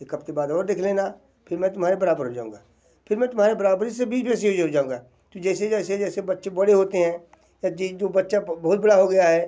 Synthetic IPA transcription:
ekɐpt̪ebaːd̪ɔːɾd̪eːkʰlẽːna | pʰɪɾmɛ̃ːt̪ʊmɦaːɾebɐɾaːbəɾɦod͡ʒa̰ːũːɡaː | pʰɪɾmɛ̃ːt̪ʊmɦaːɾebɐɾaːbəɾɪs̬ebiːsbɛːs̬iɦod͡ʒɦod͡ʒaːũŋɡaː | t̪od͡ʒɛːsed͡ʒɛːsed͡ʒɛːsebɐtːʃebɐɽeɦoːt̪eɦɛ̃ː | jat͡ʃiːd͡ʒoːbɐtːʃabɐɦʊt̪̚bɐɽaɦoɡɐjaɦɛː

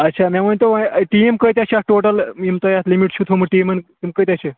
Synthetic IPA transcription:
ətːɕʰamam̤əɳt̪oʋaʈiemkəjt̪̬ʲjaɕaʈoʈəlimt̪ojat̪limiʈɕʰut̪ʰoməʈimənt̪imkəjt̪jat͡ɕe

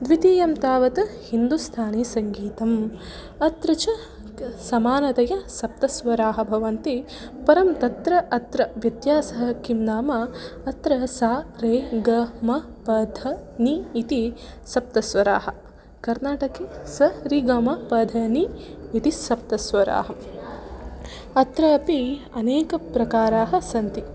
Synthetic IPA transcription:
d̪ʋit̪iːjɐmt̪aːʋɐt̪ɐhind̪ust̪ʰaːnesɐŋɡiːt̪ɐm | ɐt̪ɾɐt͡ʃɐ | sɐmaːnɐt̪ɐjɐsɐp̚t̪ɐsʋɐɾaːɦɐ̆bʱɐʋɐnt̪i | pɐɾɐmt̪ɐt̪ɾɐʔɐt̪ɾɐʋjɐd̪jaːsɐɦɐkimnaːmɐɐt̪ɾɐsaːɾeːɡɐmɐ | pɐd̪ʱɐniːt̪i | sɐp̚t̪ɐsʋɐɾa̰ːhɐ̆ | kɐɾnaːʈɐkeːsɐɾiɡɐmɐpɐd̪ʱɐniit̪isɐp̚t̪ɐsʋɐɾa̰ːɦɐ | ɐt̪ɾɐːpi | ɐneːkɐpɾɐkaːɾaːɦɐsɐnt̪i

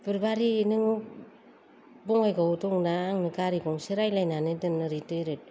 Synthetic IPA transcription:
pɯɾbaɾinɯŋɯ | bɔŋajɡawutɔŋnaːŋnɯkaɾikɔŋseɾajlajnanɯdɯnnɯɾitɯjɾɯt̚

